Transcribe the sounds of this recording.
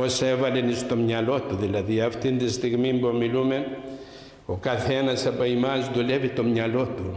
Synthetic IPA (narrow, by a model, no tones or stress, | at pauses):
osevɐlenist̪o̞mɲɐlo̞t̪uðilɐðiɐft̪int̪ist̪iɣmimbomilumen | okɐθenɐsɐpɐimɐzðulevit̪o̞mɲɐlo̞t̪u